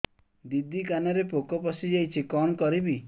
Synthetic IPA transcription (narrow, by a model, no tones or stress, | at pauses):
d̪id̪ikanɔɾepokɔpɔsid͡ʒajt͡ʃʰikɔnɔkɔɾibi